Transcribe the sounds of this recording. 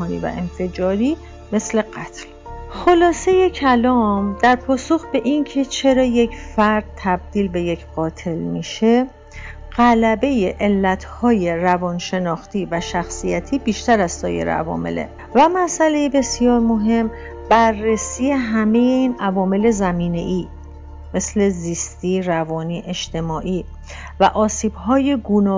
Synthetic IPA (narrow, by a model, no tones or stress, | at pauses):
nḭːvæ̰ʔenfe̞d͡ʒɒːɾiː | me̞sle̞ɢæt̪ʰl | xolɒːse̞je̞cʰælɒːmd̪̥æɾpʰɒːso̞xbe̞ʔincʰe̞t͡ʃʰe̞ɾɒːje̞cʰfæɾd̪̥̚t̪ʰæb̚d̪̥iːlbe̞je̞cʰɢ̥ɒːt̪ʰe̞lmiʃe̞ | ɢ̥ælæbe̞jeʔelːæt̪ʰhɒːje̞ɾævɒːnʃe̞nɒːxt̪ʰiːvæʃæxsijæt̪ʰiːbiːʃt̪æɾæzsɒːjḛɾḛʔæ̰vɒ̰ːme̞̰lḛ | væmæsʔæle̞jebe̞sijɒːɾmo̞ɦe̞m | b̥ærːesiːje̞ɦæme̞je̞iːnævɒːme̞le̞zæmiːne̞ʔiː | me̞sle̞ziːst̪iːrævɒːniːʔe̞ʃt̪ʰe̞mɒːʔiː | væ̰ʔɒːsiːb̥hɒːje̞ɡuːnɒː